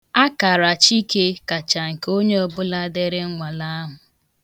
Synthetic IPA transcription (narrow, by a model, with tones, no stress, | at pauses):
a˦ka˨ɾa˨t͡ʃi˦ke˦ka˨t͡ʃa˨ŋ̩˨ko˦ɲe˦o˦bʊ˦la˦de˦ɾɪ˦ŋ̩˦ŋʷa˨la˦ɦʊ˨